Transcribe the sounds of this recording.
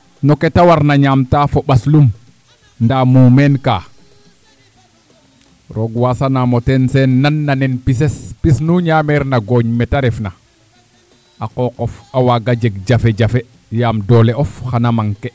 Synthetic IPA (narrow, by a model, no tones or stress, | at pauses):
noketawaɾnaɲaːmtaːfoɓaslum | ndaːmumenka̰ː | ɾoɡwasanamotensenːanːanenpisespisnuɲaːmeɾnaɡoːɲmetaɾefna | aqokɔfawaɡaɟeɡ̚d͡ʒafeɟafe | jaːmdoːleofxanamaŋke